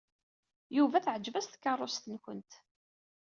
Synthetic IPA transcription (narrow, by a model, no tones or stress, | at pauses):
juvæθʕəd͡ʒːvæsθkːərˤːost̪ənkʷə̰nt̪